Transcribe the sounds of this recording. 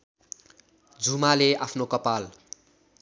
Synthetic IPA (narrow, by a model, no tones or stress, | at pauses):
d͡zumaleapʰnokʌpal